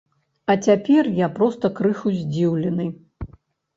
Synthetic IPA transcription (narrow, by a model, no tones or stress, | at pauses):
ɐt͡sʲapʲɛrjapɾɔst̪ɐkɾɨxuzʲd͡zʲiwlʲɛnɨj